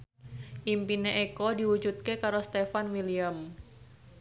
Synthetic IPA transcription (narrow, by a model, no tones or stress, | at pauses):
ʔimpineʔekɔdiwud͡ʒut̪̚kekaɾost̪efanwiliam